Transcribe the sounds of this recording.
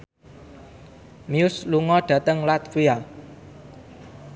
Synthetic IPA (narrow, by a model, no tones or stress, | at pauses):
miʊsluŋɔɖ̪̥ä̤t̪əŋlat̪̚fija